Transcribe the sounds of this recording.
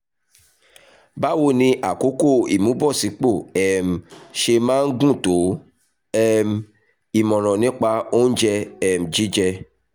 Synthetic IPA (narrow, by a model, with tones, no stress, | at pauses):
ba˦wo˧˨nĩ˧ʔa˨ko˨˦ko˦˨ḭ˨mũ˨˦bɔ˦˨si˨˦k͡po˦˨ɛ˨m̩˨ʃe˧mãː˦n̩˦ɡũ˦˨to˨˦ | ɛ˦m˨ | i˨mɔ̃˨ɾ̃ɔ̃˨nĩ˦k͡pa˧o˦n̩˦d͡ʒɛ˧ɛ˨m̩˨d͡ʒi˨˦d͡ʒɛ˧